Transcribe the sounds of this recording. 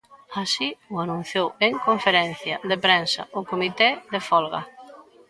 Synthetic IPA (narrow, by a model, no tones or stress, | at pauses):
asiʊanũn̟θjoweŋkoɱfeɾɛn̟θjɐðepɾensɐ̰ʊkomit̪eðefɔlɣɐ̰